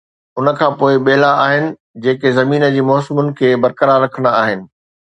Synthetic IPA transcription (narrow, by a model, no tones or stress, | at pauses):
ʊnə̆kʰãːpoːɪɓeɦlaaːɦɪnɪ̆ | d͡ʑeːkezɐmiːnə̆d͡ʑiːmɔːsɪmʊnɪ̆kʰeːbɐɾkəɾaːɾːɐkʰənaaːɦɪnɪ̆